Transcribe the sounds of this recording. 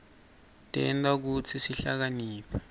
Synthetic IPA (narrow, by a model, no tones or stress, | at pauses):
tʼɛ̰ndak̬ut͡sʰisiɬak̬aniːpʰḁ